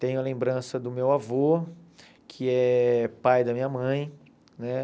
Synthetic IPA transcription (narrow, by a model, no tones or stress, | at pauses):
t̪ẽj̃ʊɐlẽmbɾɐ̃sɐd̪ʊmewavo | kʰɪɛpajd̪ɐmĩɲɐmɐ̃j̃ | nɛ